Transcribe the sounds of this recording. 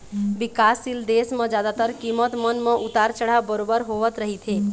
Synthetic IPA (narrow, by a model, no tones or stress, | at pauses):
ʋɪkaːsild̪eːsmẽd͡ʒjaːd̪at̪əɾkimət̪mənmẽʔʊt̪aːɾt͡ʃəɽ̤abəɾoːbəɾɦoːʋət̪ɾəɦit̪ʰeː